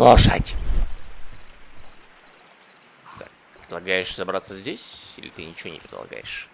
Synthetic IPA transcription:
lˠɐʂa̰tʲ | t̪a̰k̚pɾʲɪd̪lˠɐɡajɪʂz̥ɐbɾat̪sːəzʲdʲesʲilʲɪt̪ɨnʲɪt͡ɕɪvonʲɪpɾʲɪd̪lˠɐ̰ɡa̰jɪʂ

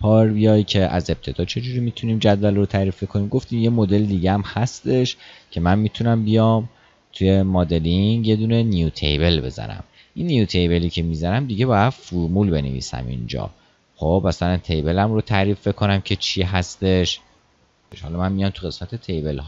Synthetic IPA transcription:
pʰɒːɾbijɒːjicʰe̞ʔæ̰ze̞p̚t̪ʰe̞d̪ɒːt͡ʃʰe̞d͡ʒuɾimit̪ʰuniːmd͡ʒæd̪vælrot̪ʰæɾiːfbekʰo̞niːmɡo̞ft̪iːmje̞mo̞d̪e̞ld̪iːɟeæmhæst̪e̞ʃcʰe̞mænmiːt̪ʰunæmbijɒm | t̪ʰuje̞mɒːd̪e̞liŋɡje̞d̪uːne̞nijut̪ʰe̞̰jbe̞lbe̞̰zæ̰næ̰m | ʔinːijut̪ʰe̞jbe̞liːcʰe̞mizænæmd̪iɟe̞bɒːjæd̪̥fuɾmulbe̞nḛvḭːsæ̰mʔḭnd͡ʒɒ̰ː | χobæsælænt̪ʰe̞jbe̞læmrot̪ʰæɾiːfbekʰo̞næmcʰe̞t͡ʃʰiːɦæst̪e̞ʃ | hɒ̰lɒmænmijɒmt̪ʰuɣe̞smæt̪ʰe̞t̪ʰe̞jbe̞lɦɒ

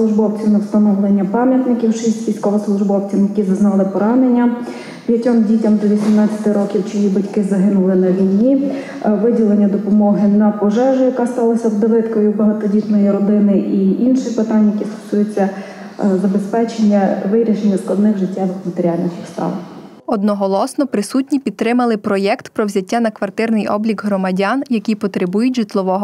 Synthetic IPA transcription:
slˠʊʒbɔwt͡sʲiwnɛwst̪ɐnɔʋlˠenʲːɐpɑmʲjɐt̪nɪkʲiwʃisʲtʲʋʲijsʲkɔʋɔslˠʊʒbɔwt͡sʲimjɐkʲizɐznɑlˠɪpɔɾɑnenʲːɐ | pʲjɐtʲɔmdʲitʲɐmd̪ɔʋʲisʲimnɑt͡sʲɐ̥t̪ɪɾɔkʲiwt͡ʃijibɐtʲkɪzɐɦɪnʊlˠɪnɐʋʲijnʲi | ʋɪdʲilˠenʲːɐd̪ɔpɔmɔɦɪnɐpɔʒɛʒʊjɐkɑst̪ɑlˠɐsʲɐwd̪ɐʋɪt̪kɔjʊbɐɦɐt̪ɔdʲit̪nɔjiɾɔd̪ɪnɪʔiinʃɪpɪt̪ɑnʲjɐkʲist̪ɔ̥sujet͡sʲːɐ | zɐbespɛt͡ʃenʲːɐʋɪɾʲiʃenʲːɐsklˠɐd̪nɪxʒɪtʲːɛʋɪxmɐt̪eɾʲiɑlʲnɪxʲixst̪ɑ̰lˠɐ̰x | ɔd̪nɔɦɔlˠɔsnɔpɾɪsutʲnʲipʲid̪̚t̪ːɾɪmɐlˠɪpɾɔjɛkt̪pɾɔwzʲɐtʲːanɐkʋɐrt̪ɪrnɪjɔ̰blʲikɦrɔmɐdʲanjɐkʲijpɔt̪ɾebujʊtʲʒit̪lˠɔʋɔɦɔ

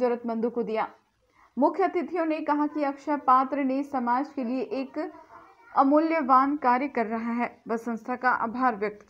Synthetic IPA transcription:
d͡ʒɐɾət̪̚mɐ̃nd̪ukod̪ijaː | mʊkʰjət̪ɪt̪ʰijõnekɐɦakiɐkʃəpaːt̪ɾənesɐmaːd͡ʒkelieʔeːk | ɐmʊljəʋaːnkaːɾjəkɐɾːɐɦaɦɛːʋɐsə̃nst̪ʰakaʔa̰ːbʱaːɾʋjɐk̚t̪

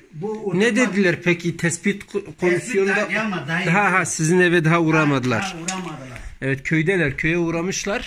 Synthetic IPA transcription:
nɛd̪ɛd̪ilɛɾpʰɛkʲʰit̪ʰɛsbit̪kʰomisijond̪ɑd̪ɦaɦasizinɛvɛd̪ɐɦauɾɑmɑd̪ɨlˠɑ̰ɾ | ɛvɛt̪kʲʰøjd̪ɛlɛɾkʲʰøjɛuɾɑmɯʃlˠɑɾ

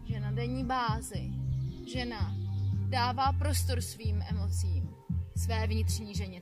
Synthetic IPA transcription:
ʒɛnadɛɲiːbaːzɪʒɛnadaːvaːpɾo̞st̪o̞ɾsviːmʔɛmo̞t͡siːm | svɛːvɲɪt̪r̥ɲiːʒɛɲɛ

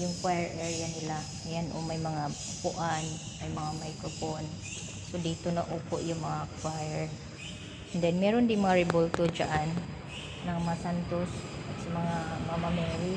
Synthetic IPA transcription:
jʊŋkwajɛɹʔɛɹjanɪla | ɐjanʔo̰mɐjmɐŋa | pʊʔanmɐjmɐŋamajkɾofon | sod̪iːt̪onɐʔopoʔjʊŋmɐŋakwajɛɹ | nd̪ɛnmɛːɾond̪ɪŋmɐŋaɾɪbolt̪od͡ʒa̰ʔanː | ɐŋmɐasant̪osʔɐt̪sɐmɐŋamɐamɐmɛːɾɪ

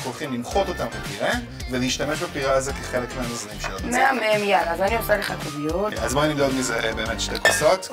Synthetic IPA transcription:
olχimlimχo̞t̪o̞tambepiʁe | veleiʃtame̞ʃbapiʁeazekeχelekmeamozanimʃelomeamemjalazaniosaleχakovijoazmaniɡallizahebe̞ːmetʃtekoso̞t

